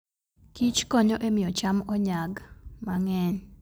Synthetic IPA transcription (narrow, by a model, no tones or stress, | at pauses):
kit͡ʃkɔɲɔʔemɪjɔt͡ʃamɔɲaɡmaŋɛɲ